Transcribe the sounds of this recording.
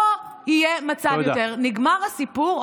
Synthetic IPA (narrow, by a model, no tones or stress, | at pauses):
ohijemat͡savjot̪eʁniɡmaʁhasipuʁ